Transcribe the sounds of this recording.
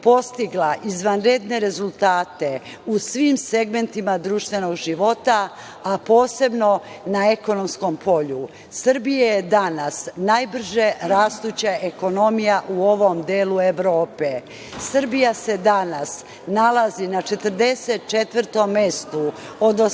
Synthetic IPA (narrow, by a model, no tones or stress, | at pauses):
po̞st̪iɡlaʔizʋanɾed̪ne̞ɾe̞zulˠt̪aːt̪e̞ | usʋimse̞ɡme̞nt̪imad̪ɾuːʃt̪ʋe̞no̞ɡʒiʋo̞t̪aː | po̞ːse̞bno̞ | naeko̞no̞msko̞mpʰo̞ʎu | sɨrbijajed̪anasnajbr̩ʒe̞ɾaːst̪ut͡ɕaʔeko̞no̞mijaʔuo̞ʋomd̪eːlue̞ʋɾoːpe | sr̩bijase̞d̪anas | nalˠazinat͡ʃe̞t̪əɾd̪e̞set̪̚t͡ʃet̪ʋəɾt̪o̞mːest̪u | od̪no